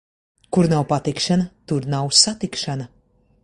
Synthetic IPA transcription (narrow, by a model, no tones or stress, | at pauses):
kuɾnawpat̪ikʃanɐt̪uɾnawsat̪ikʃanɐ